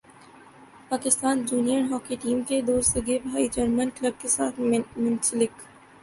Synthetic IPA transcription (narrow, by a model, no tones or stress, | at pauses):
paːkɪst̪aːnd͡ʒuːnijənɦɔːkiʈiːmked̪oːst̪ɐɡebʱaːid͡ʒɐɾmənkləb̚kesaːt̪ʰmʊ̃nsɪlɪk